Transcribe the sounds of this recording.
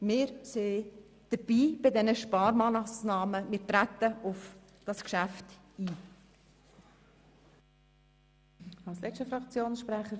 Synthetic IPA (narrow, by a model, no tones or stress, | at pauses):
mɪːɾseː | d̥əb̥iːb̥ɪdɛnəʃpɑːɾmɑːnɑsnɑːməmɪːɾtɾæt̪ːəʊf | d̥ɑskʃæft | iː | ɑlslɛʃtəfɾɑkt͡sjoːnsʃpɾæχə